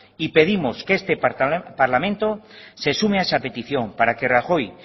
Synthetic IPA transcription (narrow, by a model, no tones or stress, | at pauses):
ipe̞ð̞imo̞skeest̪epaɾlamẽnt̪ose̞sumeaesape̞t̪iθjo̞ŋpaɾake̞raxo̞j